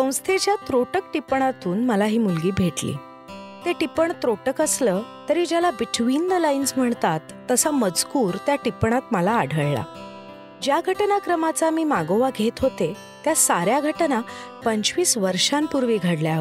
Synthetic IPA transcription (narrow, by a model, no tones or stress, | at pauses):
sə̃w̃st̪ʰed͡ʑjat̪ɾoʈək̚ʈipɳ̃at̪uːnməlaɦiːmulɡiːbʱeʈlḭː | t̪eʈipəɳt̪ɾoʈəkəsləːt̪əɾiːd͡ʑjalabiʈʋind̪lainsm̤əɳt̪at̪ːəsaməd͡zkuːɾt̪jaʈipɳ̃at̪məlaːɽʱəɭɭa̰ | d͡ʑjaɡʱəʈnakɾəmat͡samiːmaɡoʋaɡʱet̪ɦot̪e | t̪jasaɾjaɡʱəʈnapəɲt͡ɕʋiːsʋəɾʂampuɾʋiɡʱaɽljaɦə